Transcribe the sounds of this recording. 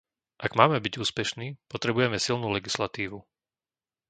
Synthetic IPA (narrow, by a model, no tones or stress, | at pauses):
ʔaɡmaːmɛbiɟuːspɛʃniːpɔt̪ɾɛbujɛmɛsilnuːlɛɡislat̪iːʋu